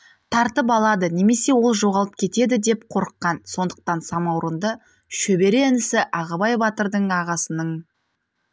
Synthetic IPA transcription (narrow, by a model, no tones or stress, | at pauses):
t̪ʰɑɾt̪əp̬ɑlˠɑd̪əne̞me̞se̞wo̞lˠʒo̞ʁɑlˠəp̚kʲʰe̞t̪e̞d̪ɪd̪e̞pqʰo̞ɾəqːɑnso̞nd̪əq̚t̪ɑnsɑmɑwɾənd̪ə | ʃɵbe̞ɾe̞ɪnɪsɪʔɑʁɑbɑjbɑt̪əɾd̪əɴɑʁɑsənəɴ